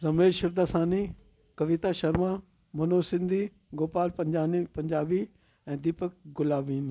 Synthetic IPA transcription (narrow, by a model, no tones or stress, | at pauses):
ɾɐmeːzʃɪɾd̪aːsãːni | kɐʋit̪aʃɐɾma | mɐnoːsɪ̃nd̪ʱi | ɡoːpaːlpɐ̃ɲd͡ʑaːnipɐ̃ɲd͡ʑaːbi | ɛ̃ːd̪iːpək̚ɡʊlaːʋiːn